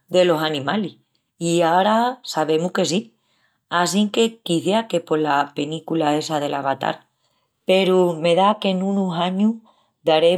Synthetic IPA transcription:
d̪e̞lo̞sanĩmalih | iaoɾasaβ̞e̞muhke̞si | asiŋke̞kiθeake̞po̞lape̞nikulae̞sað̞e̞laβat̪a̰ɾ | pe̞ɾume̞ðake̞nunusaɲu | d̪aɾe̞

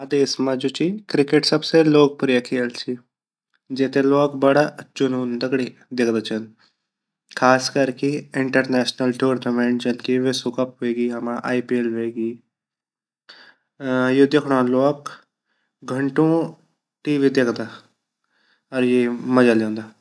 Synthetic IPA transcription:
ad̪eːsmãd͡ʒut͡ʃikɾɪkeʈsəbseloːk̚pʊɾəkʰiəlt͡ʃiː | d͡ʒet̪eloːkbəɽat͡ʃʊnuːnd̪əɡɽiː | d̪ɪkʰd̪aːt͡ʃʰən | kʰaːskəɾkeɪɳʈəɾnɛːʃnəlʈuːɾnəmẽɳʈd͡ʒəlkeʋesukəp̚ɦeːɡiːɦɐmãʔaːipielɦeːɡiː | joːd̪ekʰɽ̃ãːloːk | ɡʱəɳʈõː | ʈiːʋiːd̪ekʰd̪aː | ɔɾjeːməd͡ʒaːljɛ̃ːnd̪aː

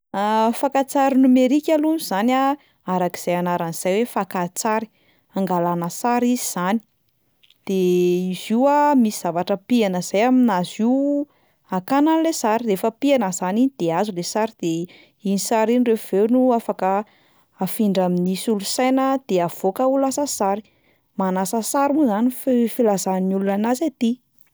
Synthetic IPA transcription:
afakat͡saɾinumeɾikʲalunuz̥ana | aɾaki̥z̥ajanaɾaniz̥ajwefakat͡saɾi̥ | aŋɡalanəsaɾiziz̥ani̥ | d̪̥eiz̥iwamisiz̥avaʈ͡ʂəpianəz̥ajaminazi | akananilesaɾirefəpianəzaniid̪̥eazulesaɾid̪̥e | inisaɾinrev̥ewnuafakəː | fiɳɖ͡ʐaminisulusajnəd̪̥eav̥okəulasəsaɾi̥ | manasəsaɾimuzaniffilazaninulunanazat̪i

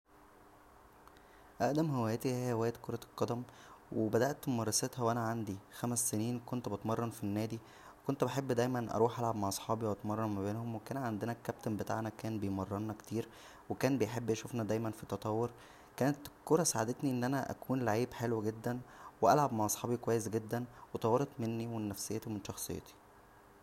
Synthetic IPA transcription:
ʔæʔd̪æmɦewæːjet̪ihejːæewæːjet̪koɾˤɑlqːɑd̪æm | webæd̪æʔt̪mɑrˤːɑset̪hæwʔænæʕand̪ixæmæsːeniːnkont̪bet̪mɑrˤːɑnfinːæːd̪i | wekont̪beħebːd̪æjmænʔɑ̰ɾˤuːħʔælʕabmaʕʔɑsˤħɑːbiwʔɑt̪mɑrˤːɑnmæbeːnhomwekæːnʕand̪enækːæp̚t̪embet̪a̰ʕnækæːnbejmɑrˤːɑnːækt̪iːɾ | wekæːnbejħebːʔæʃufnæd̪æjmænfit̪ːɑt̪ˤɑwːoɾ | kæːnet̪koɾˤɑsaʕad̪et̪niʔenːʔænæʔæ̰kuːnlaʕiːbħelweɡed̪ːænweʔælʕabmaʕʔɑsˤħɑːbikowæjːes̬ɡed̪ːænwet̪ˤɑwːeɾt̪menːiwenːæfsejːæt̪omenʃɑxsˤḛjːɑ̰t̪i̥

